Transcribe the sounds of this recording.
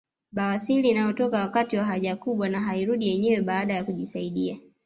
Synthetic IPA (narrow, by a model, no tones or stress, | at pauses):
ɓawasiliːnajɔtɔkawakatiwaɦaʄakuɓwanaɦaiɾuɗijɛɲɛwɛɓaːɗajakuʄisaiɗia